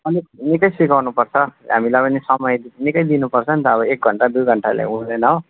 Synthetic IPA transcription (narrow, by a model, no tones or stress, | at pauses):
ʌlinikʌjsikawnupʌrt͡sʰʌɦa̰milapʌnisʌmʌjd̪nikʌjd̪inupʌrt͡sʰʌnt̪ʌːβʌek̚ɡʱʌɳʈad̪ujɡʱʌɳʈala̰jund̪enʌɦo